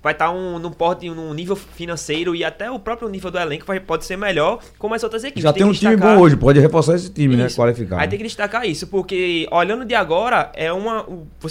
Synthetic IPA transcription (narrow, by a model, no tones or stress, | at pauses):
vajt̪aũnũpɔɾt̪ɪnũnivewfinɐ̃sejɾʊiat̪ɛʊpɾɔpɾjʊnivewd̪ʊɛlẽkʊvajpɔd̪ɪseɾmɛʎɔɾ | kõmajzowt̪ɾɐzekiipʒat̪ũʃimikbõw̃oʒɪpɔd͡ʒɪhefɔɾsaɾesɪ̥t̪ĩminɛkwalifika̰ait̪ẽkɪd̪iʃt̪akaisʊpoɾkeɔʎɐ̃d̪ʊd̪ɪaɡɔɾɐɛũmɐũ | vos